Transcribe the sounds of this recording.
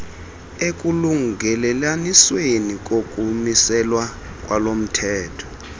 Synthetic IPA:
ek̬ʼuluŋɡɛlɛlaniswenik̬ʼokʼumisɛlwa | k̬ʼwalom̩tʰɛːtʰɔ̥

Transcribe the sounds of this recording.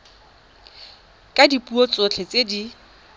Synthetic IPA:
kʼadipʼuɔt͡sʼot͡ɬʰet͡sʼedi

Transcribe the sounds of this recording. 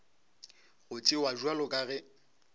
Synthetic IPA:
ɣʊt͡sʼɪwaʒualʊkʼaɣɛ

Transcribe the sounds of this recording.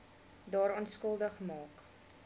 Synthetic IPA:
dɑːɾɑːnskəlˠdəχmɑːk

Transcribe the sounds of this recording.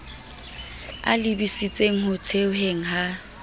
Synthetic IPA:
a̰lɪbisit͡sʼeŋ̩hʊtʰeʊɦeŋ̩ɦa

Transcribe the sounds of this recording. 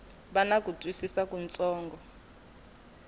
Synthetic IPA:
ɓanak̬ʼutʼwisisak̬ʼunt͡sʼɔːŋɡʱɔ

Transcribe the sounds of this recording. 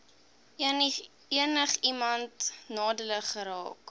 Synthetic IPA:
ən | iənəχimɐntnɑːdələχəɾɑ̰ːk

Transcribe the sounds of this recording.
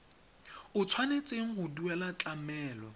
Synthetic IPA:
ʊt͡sʰwanet͡sʼeŋ̩ɦʊduɛlat͡ɬʼamɛːlɔ̰

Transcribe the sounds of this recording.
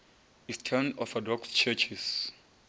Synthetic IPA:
istʰɛnɔfɔdɔkst͡ʃʰɛt͡ʃʰis

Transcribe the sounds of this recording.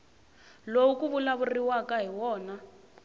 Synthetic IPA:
lowukuβulaβuriwakaɦiwɔːna

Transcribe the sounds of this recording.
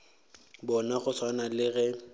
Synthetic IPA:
bɔnaχʊsʰwanalɪɣɛ

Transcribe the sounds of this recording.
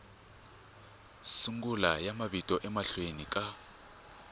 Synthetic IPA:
suŋɡulajamaβitʼɔʔɛmaɬwenikʼa

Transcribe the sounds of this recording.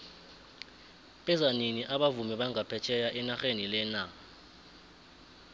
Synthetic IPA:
ɓɛzaniniʔaɓavumɛɓaŋapʰɛt͡ʃʰɛjaʔɛnaxenilɛna

